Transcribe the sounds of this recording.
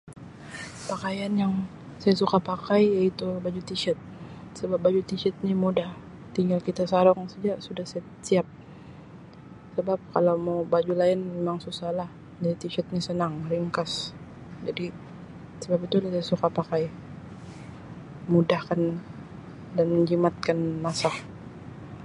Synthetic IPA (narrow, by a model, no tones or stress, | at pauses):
pakajanjaŋ | sajasukapakajjait̪ubad͡ʒut̪iʃɛt̪̚ | səbap̚bad͡ʒut̪iʃɛt̪̚nimudah | t̪iŋɡalkit̪asaɾɔŋsad͡ʒasudahsa | siap̚ | səbap̚kalawmawbad͡ʒulaɪnmemaŋsusalah | dait̪iʃɛt̪̚nisənaŋriŋkas | d͡ʒadi | səbapit̪ulasaasukapakaj | mudahkan | danməɲd͡ʒimat̪̚kanmasah